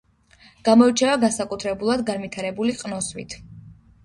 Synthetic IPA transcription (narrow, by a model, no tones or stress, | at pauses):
ɡ̥amɔit͡ʃʰɛvaɡansakʼut̪ʰɾɛbulˠad̪ɡanmit̪ʰaɾɛbuliqʼnɔsmḭt̪ʰ